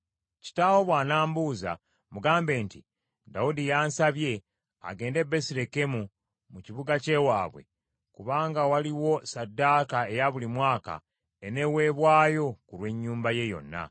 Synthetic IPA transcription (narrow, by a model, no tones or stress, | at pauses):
ci̥tawo̞βwaːnaːmbuza̰ | muɡaːmbe̞ːnti | daudijaːnsaβje̞ | a̰ɡe̞ːnde̞besiɾe̞ke̞mu | muciβuɡace̞waːβwe̞̰ | kuβaːŋɡawaliwo̞sadːaːkae̞jaβulimwaːka̰ | ene̞we̞ːβwaːjo̞kulwe̞ɲːuːmbaje̞jo̞̰nːa̰